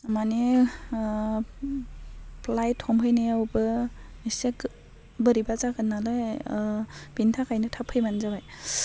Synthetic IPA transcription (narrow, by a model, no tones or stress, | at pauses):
mani | plajtʰːɔmɦɯjnɯjawbɯisek | bɯɾibazakʰɯnːalɯ | b̥intʰakʰajnɯtʰapʰɯjmanzabaj